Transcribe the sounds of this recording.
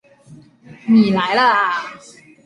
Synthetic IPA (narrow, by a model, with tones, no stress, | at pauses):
miː˨˩laː˨˩˦jla˧˥laː˧˩